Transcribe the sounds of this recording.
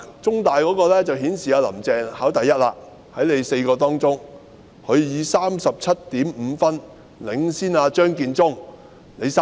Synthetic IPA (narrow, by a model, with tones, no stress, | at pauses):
t͡sʊ˥ŋt̪aː˨jkɔː˨˥kɔː˧lɛː˥t͡sɐ˨whiː˨˥nsiː˨aː˧lɐ̰˨˩mt͡sɛː˨˧ŋhaː˨˥wt̪ɐ˨jːɐ˥t̚la̰ː˧ | hɐ˨˥jne˨˧jse˧jkɔː˧t̪ɔː˥ŋt͡sʊ˥ŋ | hʰɵ˨˧ɥjiː˨˧saː˥msɐ˨p̚t͡sʰɐ˥t̚t̪iː˨˥mm̩ː˨˧fɐ˥n | lɪ˨˧ŋsiː˥naː˧t͡ʃœː˥ŋkiː˧nt͡sʊ˥ŋ | ne˨˧jsa˥